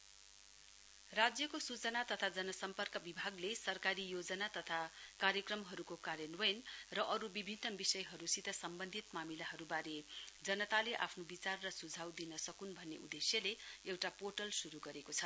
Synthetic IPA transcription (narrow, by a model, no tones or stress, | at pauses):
rad͡zjʌkosut͡sʌnat̪ʌt̪ʰad͡zʌnʌsʌmpʌrkʌbibʱaɡlesʌrkaɾijod͡zʌnat̪ʌt̪ʰakaɾjʌkrʌmɦʌɾukokaɾjʌnʌjnrʌʔʌɾubibʱinːʌbisʌjɦʌɾusit̪ʌsʌmbʌnd̪ʱit̪mamilaɦʌɾubaɾed͡zʌnʌt̪aleʔa̰pʰnobit͡sarːʌsud͡zʱawd̪inʌsʌkunbʱʌnːeṵd̪esjʌleewʈaporʈʌlsuɾuɡʌɾekot͡sʰʌ